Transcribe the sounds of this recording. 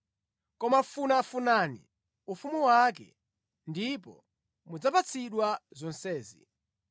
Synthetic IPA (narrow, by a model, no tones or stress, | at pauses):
kɔmafunafunanḭ | ufumuwak̬ɛ̰ | ndipɔ̰ | mud͡zapat͡sʰiɗwazɔnsɛːzḭ